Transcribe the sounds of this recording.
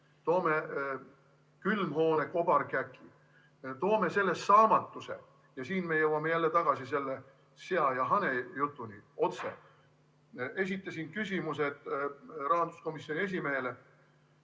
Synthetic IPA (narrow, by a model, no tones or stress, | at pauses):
t̪o̞ːme̞ | kylmho̞ːneko̞b̥ɑrkækːˑi | t̪o̞ːme̞se̞lːe̞sːɑːmɑt̪ːˑusḛ | jɑsiːnme̞jɤwɑme̞jælːe̞t̪ɑɡ̥ɑsise̞lːe | seɑjɑɦɑnejut̪ːˑunio̞t̪sḛ | e̞s̬ʲit̪ːˑɑsinkysʲimuse̞d̪̥rɑɦɑnd̪̥u̥sko̞misːionʲies̬ʲimeele